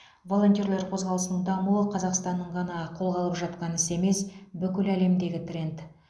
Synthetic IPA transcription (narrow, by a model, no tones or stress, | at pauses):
vo̞lˠo̞nt̪ʲiorlʲˠe̞ɾqʰo̞zʁɑlˠəsənəɴd̪ɑmuwəqʰɑzɑqst̪ɑnːəɴʁɑnɑqʰo̞lˠʁɑlˠəpʒɑt̪qɑnɪse̞me̞sbʏkʲɪlæle̞md̪e̞ɡʲɪt̪rʲe̞nt̪